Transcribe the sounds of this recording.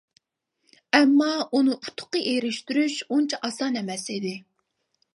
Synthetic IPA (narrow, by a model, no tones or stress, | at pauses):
ɛmːɑunɨʔut̪ʰʊ̥qːəʔeɾɪʃt̪yɾyʃunt͡ʃʰɛʔɑsɑnɛmɛsid̪ɪ